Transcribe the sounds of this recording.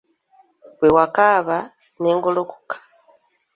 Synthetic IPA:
wewakaβa | neŋɡoloku̥kḁ

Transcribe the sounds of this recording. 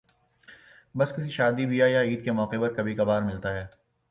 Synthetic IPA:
bɐskɪsiʃaːd̪ibijajaiːd̪̚kemɔːqepɐɾkɐbʱikɐbaːɾmɪlt̪aɦɛː

